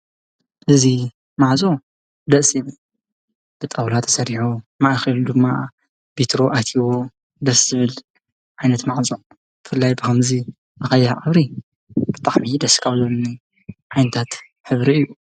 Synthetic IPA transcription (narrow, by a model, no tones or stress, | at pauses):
ʔɨzi | maʕzʼo | d̪ɐʔsin | b̥ɨt̪ʼɐwlat̪ʰɐ̥sɐɾiħumaʔxɐld̪ɨmːa | bit̪ɾo̞ʔat̪ʰiwo | d̪ɐszɨβɨl | ʕajnɐt̪maʕzʼo | b̥ɨfɨlːajbɨkɐmzi | ʔɐxɐjːaʕʔʼɐβɾi | b̥ɨt̪ʼaħmid̪ɐskʰawzβnɨni | ʕajnɐt̪ʰat̪ | ħɨβɾiɨjːu